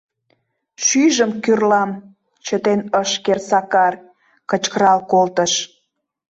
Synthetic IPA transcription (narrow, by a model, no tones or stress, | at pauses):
ʃyʒəmkyrlɑm | t͡ɕət̪enəʃkersɑkɑr | kət͡ɕkəɾɑlkolt̪əʃ